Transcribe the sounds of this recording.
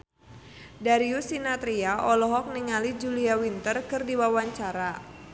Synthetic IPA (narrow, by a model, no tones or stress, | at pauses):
daɾiusinat̪ɾiaʔɔlɔɦɔk̚niŋalid͡ʒuliawint̪ərkɨrdiwawaɲt͡ʃaɾa